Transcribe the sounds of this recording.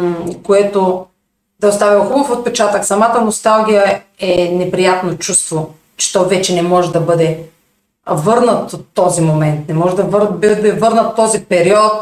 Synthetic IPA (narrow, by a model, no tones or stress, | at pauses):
koɛt̪o | d̪ɐost̪avixubəfot̪̚pɛt͡ʃat̪əksɐmat̪ənost̪alˠɡ̟ʲijəɛnɛpɾijat̪not͡ʃust̪vo | t͡ʃɛ̥t̪ɔvɛt͡ʃɛnɛmɔʒɛd̪ɐbɤd̪ɛ | vɤɾnət̪ot̪ːɔzimomɛnt̪nɛmɔʒɛd̪ɐvɾbd̪ɛvɤɾnət̪ːɔzipɛɾiɔt̪̚